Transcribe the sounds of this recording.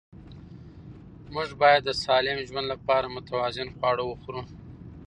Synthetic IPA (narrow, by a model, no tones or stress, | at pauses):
mʊʐbɑjad̪ːəsɑlɪmʒwand̪lapɑɾamʊt̪awɑzɪnxwɑɽowəxɾu